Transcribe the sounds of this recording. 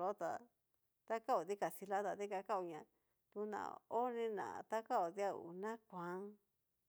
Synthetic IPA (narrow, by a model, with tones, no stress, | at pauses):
o˦t̪a˨ | t̪a˦ka˦o˨d̪i˦ka˨si˧la˦t̪a˨t̪i˦ka˧ka˦u˧ɲã˨ | t̪u˧nã̰˨o˦nĩ˧nã̰˨t̪a˦ka˦o˨ði˦a˦ṵ˨nã˦kʷã˨˦